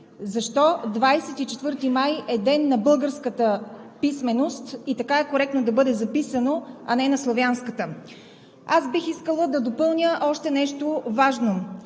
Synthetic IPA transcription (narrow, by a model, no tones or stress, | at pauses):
zɐʃt̪ɔd̪vajsɛt̪it͡ʃɛt̪vɤɾt̪imajɛd̪ɛnːɐbɤlˠɡəɾskət̪əpismɛnost̪it̪ɐkaɛkoɾɛk̚t̪nod̪ɐbɤd̪ɛzɐpisənoɐnɛnɐslˠovjanskət̪ə | asbixiskəlˠəd̪ɐd̪opɤlˠnʲəʔɔʃt̪ɛnɛʃt̪ovaʒno